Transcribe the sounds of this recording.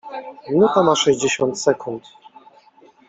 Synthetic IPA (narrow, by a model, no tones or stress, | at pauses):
mʲinut̪amaʂɛʑd͡ʑeɕɔnt̪sɛkunt̪